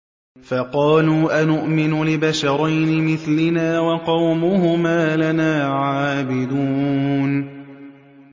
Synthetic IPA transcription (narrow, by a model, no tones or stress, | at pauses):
fɑqɑːluːʔanʊʔmɪnʊlɪbaʃɑɾˤɑjnɪmɪθlɪnaːwɑqɑwmʊhʊmaːlanaːʕaːbɪd̪uːn